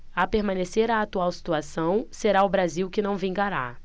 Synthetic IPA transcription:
apeɾmɐ̃neseɾaːt̪uawsi̥t̪uasɐ̃w̃seɾaʊbɾaziwkɪnɐ̃w̃vĩŋɡaɾa̰

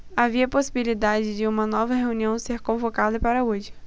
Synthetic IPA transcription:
aviɐposibilid̪ad͡ʒɪd͡ʒɪũmɐnɔvɐɦeuniɐ̃w̃seɾkõvokad̪ɐpaɾɐud͡ʒɪ

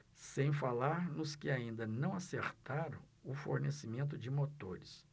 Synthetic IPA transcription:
sẽj̃falaɾnʊskɪaĩnd̪ɐnɐ̃w̃aseɾt̪aɾɐ̃w̃ʊfo̰ɾnesimẽnt̪ʊd͡ʒɪmot̪oɾɪs

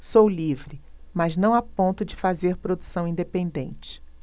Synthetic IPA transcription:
sowlivɾɪmɐznɐ̃w̃apõnt̪ʊd͡ʒɪfazeɾpɾod̪usɐ̃w̃ĩnd̪epẽnd̪ẽnt͡ʃɪ̥

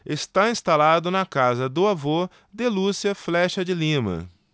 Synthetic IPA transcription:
est̪aĩst̪alad̪ʊnɐkazɐd̪ʊavo | d̪elusiɐflɛʃɐd͡ʒɪlĩmɐ̰

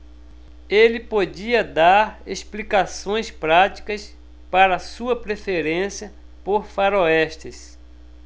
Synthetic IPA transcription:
elɪpod͡ʒiɐd̪aɾḛsplikasõj̃spɾat͡ʃi̥kɐs | paɾɐsuɐpɾefeɾẽsjɐ | poɾfaɾoɛʃt̪ɪs

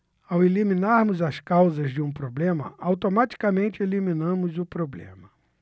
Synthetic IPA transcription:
awelimĩnaɾmʊzɐskawzɐzd͡ʒɪũpɾoblẽmɐ̰ʔawt̪omat͡ʃi̥kamẽnt͡ʃɪelimĩnɐ̃mʊzʊpɾoblḛ̃mɐ

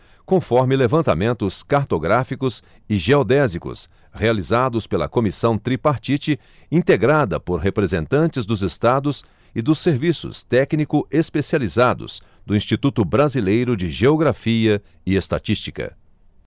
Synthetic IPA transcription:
kõfɔɾmɪlevɐ̃nt̪amẽnt̪ʊskaɾt̪oɡɾafikʊs | ɪʒeod̪ɛzikʊ̰s | healizad̪ʊspelɐ̰komisɐ̃w̃t̪ɾipaɾt͡ʃit͡ʃɪ | ĩt̪eɡɾad̪ɐpoɾɦepɾezẽnt̪ɐ̃nt͡ʃɪzd̪ʊzest̪ad̪ʊs | ɪd̪ʊsːeɾvisʊ̰st̪ɛknikʊespesializad̪ʊ̰z̥ | d̪ʊĩst͡ʃit̪ut̪ʊbɾazilejɾʊd͡ʒɪʒeoɡɾafiɐ | ɪest̪a̰t͡ʃist͡ʃi̥kɐ̰

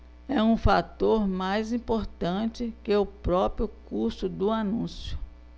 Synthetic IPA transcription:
ɛũfat̪oɾmajzĩpoɾt̪ɐ̃t͡ʃɪkeʊpɾɔpɾjʊkuɾsʊd̪ʊanũsjʊ̥

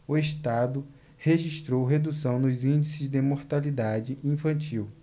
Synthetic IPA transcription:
ʊeʃt̪ad̪ʊ | heʒiʃt̪ɾowɦed̪usɐ̃w̃nʊzĩnd͡ʒisɪzd̪emoɾt̪alid̪ad͡ʒɪʔĩfɐ̃nt͡ʃiw

